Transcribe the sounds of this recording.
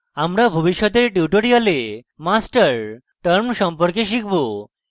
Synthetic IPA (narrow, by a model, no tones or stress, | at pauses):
amɾabʱubiʃːɔt̪eɾʈjuʈoɾialemasʈəɾ | ʈəɾmʃɔmpɔɾkeʃ̬ikʰbo